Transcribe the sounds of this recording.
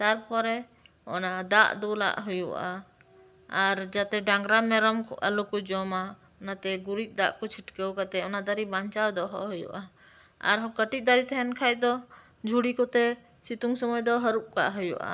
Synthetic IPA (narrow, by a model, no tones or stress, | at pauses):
t̪aɾpɔɾɛ | ɔ̰nad̪aʔd̪ɔla̰ʔɦujṵʔaː | ɾd͡ʒat̪ɛɖaŋɡɾamɛɾɔmkɔ̰ʔalokɔd͡ʒɔma | ɔnat̪ɛɡuɾic̪̚ˀd̪aʔkɔt͡ʃʰiʈkəwkat̪ɛɔnad̪aɾibaɲt͡ʃawd̪ɔɦɔ̰ʔɦujṵʔa | a̰ɾɦɔkəʈic̚ˀd̪aɾit̪ʰɛɦɛnkʰac̚d̪ɔ | d͡ʒʱuɽikɔt̪ɛ | sit̪uŋsɔmɔjd̪ɔɦəɾuʔ̚ka̰ʔɦujṵʔa̰